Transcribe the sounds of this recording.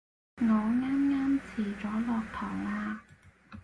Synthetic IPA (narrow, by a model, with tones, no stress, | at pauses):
ŋɔː˨˧ŋaː˥mŋaː˥mt͡sʰiː˨˩t͡sɔː˨˥lɔː˨˧k̚t̪ʰɔː˨˩ŋaː˧